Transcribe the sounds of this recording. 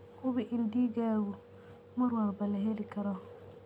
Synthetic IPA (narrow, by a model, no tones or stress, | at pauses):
ʊβɪʔɪndiːɡaːɡʊ | mʊɾwaɾbɐlɐɦelikʰɐɾɔ